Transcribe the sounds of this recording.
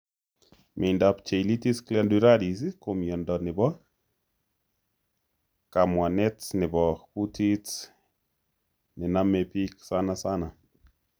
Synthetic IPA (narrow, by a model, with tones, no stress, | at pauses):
mʔe˨nda˨pt͡ʃe˨i˨li˦ti˦sklɛ˦nduɾa˦di˨si˦ko˨mjɔ˨ndɔ˨nɪ˨bɔ˦ | ka˨mwa˨nɛ˦tnɪ˨bɔ˨ku˦ti˦t | nɪ˨na˦mɛ˨pi˦ksa˦na˦sa˦na˨